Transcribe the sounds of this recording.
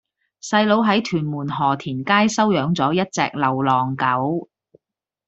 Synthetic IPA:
sɐ˧jlo˨˧˥wɦɐ˨˥jt̪ʰyː˨˩nmuː˨˩nɦɔː˨˩t̪ʰiː˨˩nkaː˥jsɐ˥wjœː˨˥ŋt͡sɔː˨˥jɐ˥t̚t͡sɛ̰ː˧k̚lɐ˨˩wlɔː˨˩ŋkɐ˨˥w

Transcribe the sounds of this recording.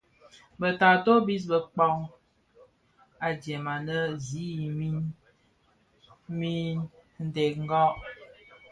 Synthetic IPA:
bə˨ta˨to˦bi˦s̬bə˨k͡pɔ˦ŋ | a˨d͡ʒjɛ˨ma˨nə˦zi˨˦˨mi˦ | mi˦nn̩˦de˨k̚ŋ̩˦ɡɔ˦ʔ

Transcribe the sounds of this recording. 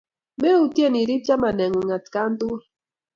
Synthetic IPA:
mɛ˦u˦tje˦˨ni˨ɾi˦p̚t͡ʃa˦ma˨nɛ˨ŋo˨ŋa˨t̪ka˦nd̪u˦

